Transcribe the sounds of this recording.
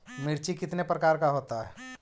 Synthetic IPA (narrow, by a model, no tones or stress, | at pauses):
mɪɾt͡ʃikɪt̪nepɾəkaːɾkaɦoːt̪aɦɛ̰ː